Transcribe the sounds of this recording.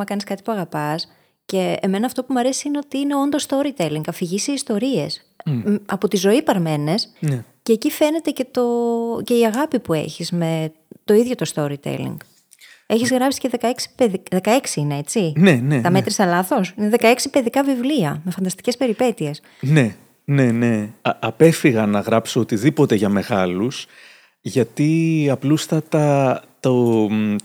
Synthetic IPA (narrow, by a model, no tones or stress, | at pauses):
ɐkɐniskɐt̪i̥puɐɣɐpɐs | ce̞ːme̞nɐːft̪o̞pumɐɾe̞siineot̪iine̞ond̪ost̪o̞ɾit̪eliŋɡɐfiʝisiːst̪o̞ɾie̞s | ɐpo̞t̪izo̞ipɐɾme̞ne̞snceːcife̞ne̞t̪e̞ce̞t̪o̞ce̞iɐɣɐpipue̞̰çizme̞ | t̪o̞iðʝo̞t̪o̞st̪o̞ɾit̪ḛlḭŋɡ | eçizɣɾɐpsi̥ceðe̞kɐeksi̥peðiðe̞kɐe̞ksiinee̞t͡sine̞net̪ɐme̞t̪ɾisɐlɐθo̞sineðekɐeksipe̞ðikɐvivliɐme̞fɐnd̪ɐst̪i̥cespe̞ɾipe̞t̪ie̞s | ne̞ | ne̞ne̞ɐpe̞fiɣɐnɐɣɾɐpsoot̪iðipo̞t̪e̞ʝɐme̞ɣɐlus | ʝɐt̪iɐplust̪ɐt̪ɐt̪o